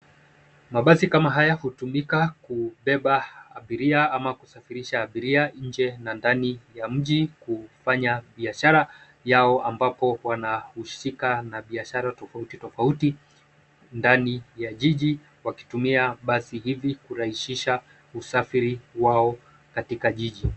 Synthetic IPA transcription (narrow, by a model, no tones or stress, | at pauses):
maɓasikamaɦajahutumikakuɓɛɓaaɓiɾiaamakusafiɾiʃaːɓiɾiaɲ̩d͡ʒɛnandanijam̩ʄikufaɲaɓiaʃaɾa | jaɔʔambapɔwanahuʃikanaɓiaʃaɾatɔfautitɔfauti | ndanijaʄiʄi | waki̥tumiaɓasihivikuɾahiʃiʃa | usafiɾiwaɔ | katikaʄiʄi